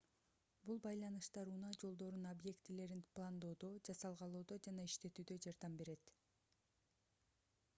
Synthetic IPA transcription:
bulˠbɑjlˠɑnɯʃt̪ɑɾuːnɑd͡ʒo̞lˠd̪o̞ɾunobje̞kt̪ile̞ɾinplˠand̪o̞ːd̪o̞d͡ʒɑsɑlˠʁɑlˠoːd̪o̞d͡ʒɑnɑiʃt̪e̞t̪yːd̪ø̞d͡ʒɑɾd̪ɑmbe̞ɾe̞t̪

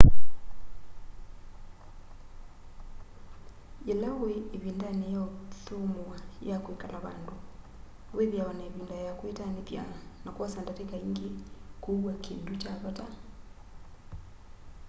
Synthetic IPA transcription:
elaweːβindanejaoðomwajakwekalaβa̰ndo | weðjawanaeβindajakwetanepja̰nakwasandatekaiŋɡekowakendut͡ʃaβɔta

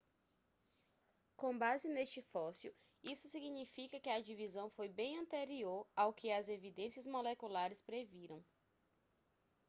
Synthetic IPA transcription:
kõbazɪnest͡ʃɪfɔsjʊ | isʊsiɡɲifikɐkɪɐd͡ʒivizɐ̃w̃fojbẽj̃ɐ̃nt̪eɾioɾawkɪɐzevid̪ẽsiɐzmolekulaɾɪspɾeviɾɐ̃w̃

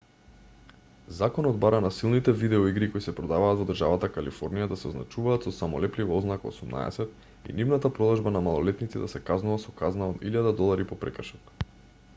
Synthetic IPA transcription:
zakɔnɔd̪̚baɾanasilˠnit̪ɛvid̪ɛɔiɡɾikoisɛpɾɔd̪avaːt̪vɔd̪ərʒavat̪akalḭfoɾnijad̪asɛozna̰t͡ʃuvaːt̪sɔsamɔlɛplivaoznako̰sumna̰ɛ̰sɛt̪ | ḭnivnat̪apɾɔd̪aʒbanamalˠɔlɛt̪nit̪sid̪asɛkaznuvasɔkaznaod̪iʎad̪ad̪ɔlˠaɾipɔpɾɛkr̩ʃɔt̪

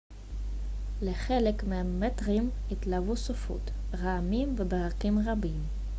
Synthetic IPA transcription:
leχelekmeametʁimitlavusofṵtʁaamimvebeʁakimʁabim

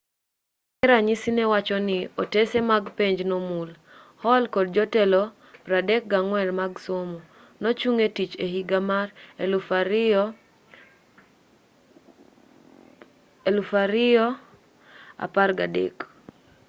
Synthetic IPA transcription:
kɛɾaɲisinɛwat͡ʃɔnɪo̰tesemaɡpeɲd͡ʒnomul | hɔlkɔd̚d͡ʒɔtɛlɔ | pɾadɛk̚ɡaŋwɛlmaɡsomo | not͡ʃuŋetit͡ʃeɦiɡamarlf | elufaɾɪɔ | a̰parɡadḛk

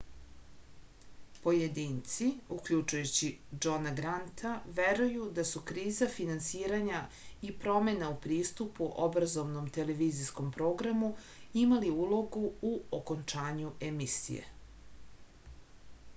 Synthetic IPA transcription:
po̞jed̪iːnt̪siukʎut͡ʃujut͡ɕid͡ʒonaɡɾant̪ʰaʋeɾujud̪asukɾiːzafinansiːɾaɲa | ipɾo̞me̞naupɾiːst̪upuʔo̞bɾazo̞ʋno̞mt̪e̞le̞ʋizisko̞mpɾo̞ːɡɾamu | imaliuːlˠo̞ɡuuoko̞nt͡ʂaːɲuemisḭjḛ

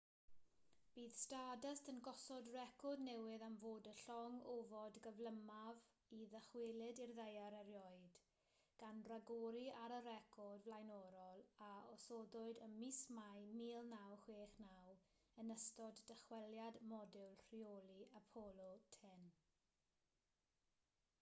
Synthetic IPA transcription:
b̥iːðstadəstʰənɡɔsɔdrɛkʰɔdnɛwɪðamvoːdəɬɔŋovɔdɡəvləmav | iðəχwɪlˠɪdirðejaɾɛɾjɔɨd̥ | ɡ̥anraɡoɾiaɾəɾɛkʰɔdvlˠajnɔɾɔlˠaɔsɔdʊɨdənmismajmiːlˠnawhweːχnaw | ənəstɔdːəχwɛlˠjadmɔdɛwlˠr̥iolˠiapʰɔlˠɔtʰɛn

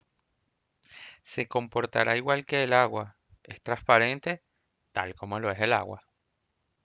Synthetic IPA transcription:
se̞ko̞mpo̞ɾt̪a̰ɾʔaiɣwalke̞ːlaɣwa | e̞st̪ɾaspaɾe̞nt̪e̞ | t̪a̰lko̞mo̞lo̞e̞se̞la̰ɣwa̰

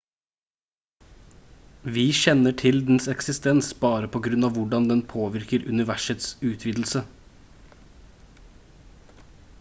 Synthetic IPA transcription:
ʋiːʃɛnəʈʰɪld̪n̩sɛksɪst̪ɛnsbɑːɾəpʰoːɡɾʉnɑːʋʊɖɑnd̪ɛnpʰoːʋɪɾkəɾʉnɪʋæʃət̪sʉːt̪ʰʋiːd̪l̩sə

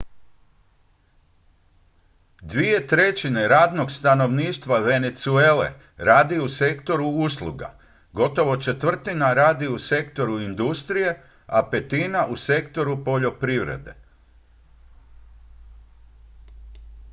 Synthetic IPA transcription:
d̪ʋie̞t̪ɾe̞t͡ɕineɾaːd̪no̞ɡst̪ano̞ʋniːʃt̪ʋaʋe̞net̪sue̞lḛ | ɾaːd̪iusekt̪o̞ɾuuslˠṵɡa̰ | ɡo̞t̪o̞ʋo̞t͡ʃe̞t̪ʋr̩t̪inaɾaːd̪iuse̞kt̪o̞ɾuind̪ust̪ɾije̞ | ape̞t̪inaʔuse̞kt̪o̞ɾupo̞ʎo̞pɾiʋɾḛd̪e̞̰

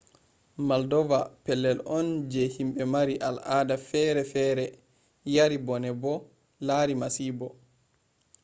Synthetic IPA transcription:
maldɔvapɛlːɛlʔɔnd͡ʒɛhimɓɛmaɾiʔalʔaːdafɛɾɛfɛːɾɛ | jaɾibɔnɛbɔ | laːɾimasiːbɔ

